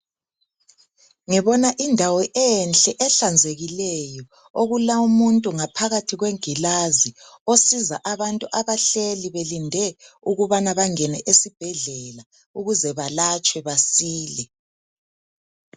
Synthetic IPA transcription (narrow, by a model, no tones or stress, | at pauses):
ŋɛβɔnaʔindʱawɔʔɛnɬʼɛʔɛɬand͡zʱeɣilɛjɔ | oɣulaumuntʼuŋapʰaɣatʰiɣweŋɡʱilaziosizaʔaβantʼuʔaβaɬeliβelindʱɛ | uɣuβanaβaŋɛnɛʔesib̥ʱɛɮɛla | uɣuzɛβalat͡ʃʼwɛβasiːlɛ